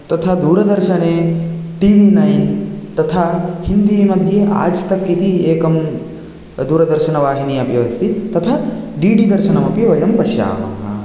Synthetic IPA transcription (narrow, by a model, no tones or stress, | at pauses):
t̪ɐt̪ʰad̪uːɾɐd̪ɐɾʃɐneː | ʈiʋinɐjnt̪ɐt̪ʰahind̪iːmɐd̪ʱjeʔa̰ːd͡ʒt̪ɐkːit̪ieːkɐm | d̪uːɾɐd̪ɐɾʃɐnɐʋaːɦiniɐbʱjɐʋɐst̪it̪ɐt̪ʰaɖiːɖid̪ɐɾʃɐnɐmɐpiʋɐjɐmpɐʃja̰ːmɐ̰ɦɐ̰